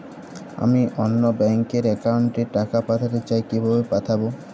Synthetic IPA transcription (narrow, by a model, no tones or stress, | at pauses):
a̰miʔonːobɛŋkeɾɛkawɳʈeʈakapat̪ʰat̪et͡ɕaekibʱabepat̪ʰabo